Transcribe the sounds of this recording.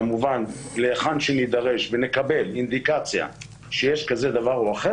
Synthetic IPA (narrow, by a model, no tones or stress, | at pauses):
muvanleːχanʃenid̪aʁe̞ʃvenekabe̞lind̪ikat͡sja̰ | ʃejeʃkaze̞d̪avaʁoaχe